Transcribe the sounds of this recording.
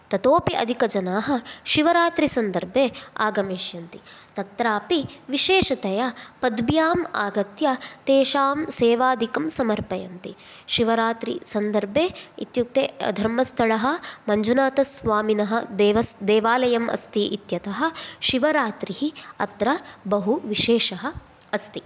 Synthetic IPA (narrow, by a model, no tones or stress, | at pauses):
t̪ɐt̪oːpiʔɐ̰d̪ʱikɐd͡ʒɐnaːɦɐ̆ʃiʋɐɾaːt̪ɾisɐnd̪ɐɾbʱeːa̰ːɡɐmeːʃjɐnt̪it̪ɐt̪ɾaːpiʋiʃeːʃɐt̪ɐjɐpɐd̪bjaːma̰ːɡɐt̪jɐt̪eːʃaːmseːʋaːd̪ʱikɐmsɐmɐɾpɐjɐnt̪i | ʃiʋɐɾaːt̪ɾḭsɐnd̪ɐɾbʱeːit̪juk̚t̪eːɐ̰d̪ʱɐɾmɐst̪ʰɐɭɐɦɐ̆mɐɲd͡ʒunaːt̪ɐsʋaːminɐɦɐ̆d̪ːʋɐsd̪eːʋaːlɐjɐmʔɐ̰st̪iʔit̪jɐt̪ɐɦɐ̆ʃiʋɐɾaːt̪ɾiɦiɐt̪ɾɐbɐɦuʋiʃeːʃɐɦɐ̆ | ɐst̪i